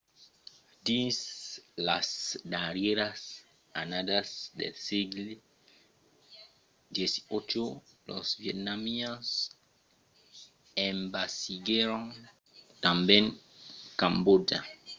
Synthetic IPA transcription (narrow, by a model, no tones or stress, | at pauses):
dislasdaɾjeɾas | anadasdḛlsiɡl | djesi̥ot͡ʃolo̰svjet̚namios | ẽmbasiɡeɾoŋ | t̪ãmbjẽŋ | kãmbod͡ʒa